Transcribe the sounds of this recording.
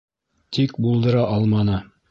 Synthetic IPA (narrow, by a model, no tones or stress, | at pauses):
t̪ʰikbulˠd̪ɤ̆ɾɑʔɑlˠmɑnɤ